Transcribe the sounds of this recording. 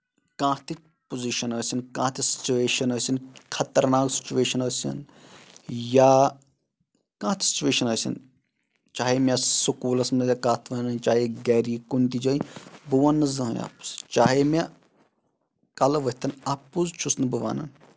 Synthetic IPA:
kãːt̪ʰi | poziʃɐnəsʲinkãːt̪ʰisi̥t͡ʃuʋeːʃɐnəsʲinkʰɐt̪ɐɾnaːksi̥t͡ʃuʋeːʃɐnəsʲɐ̰n | ja | kãːt̪ʰi̥si̥t͡ʃuʋeːʃɐnɐsʲɐ̰n | t͡ʃaːɦemʲasukuːlɐsmnɐjakaːt̪ʰʋɐnɐnt͡ʃaːɦeɡɛːɾiːkunt̪id͡ʒɐːibuʋɐnːɨzɐɦjʲa̰pu̥st͡ʃaːɦemʲa | kɐlɐʋɐɦʲt̪ʰɐnɐpuzt͡ʃʰusnɨbɨʋa̰ːnɐ̰n

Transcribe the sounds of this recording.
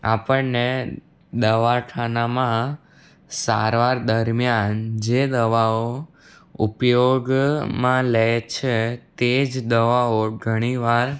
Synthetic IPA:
apəɳne | d̪əʋaʈʰanamã | sa̰ɾʋaɾd̪əɾmjand͡ʒed̪əʋao | upjoɡmãlət͡ʃʰet̪ed͡ʒd̪əʋaoɡʱəɽ̃iʋaɾ

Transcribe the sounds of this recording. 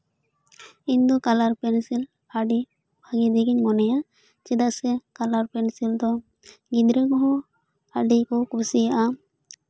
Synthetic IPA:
iɲd̪ɔkalaɾpɛnsil | aɖi | bʱaɡid̪ɛɡiɲmɔnɛja | t͡ʃɛd̪aʔsɛkalaɾpɛnsild̪ɔ | ɡid̪ɾeɡɔɦɔ | aɖikɔkusijaʔa

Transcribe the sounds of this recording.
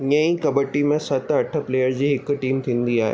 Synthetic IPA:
ɲɐ̃ĩkɐbəʈimẽsɐt̪ʰɐʈʰəpleːjəɾd͡ʑiːɦɪkʈiːmt̪ʰĩːn̆d̪iaːɦḛ

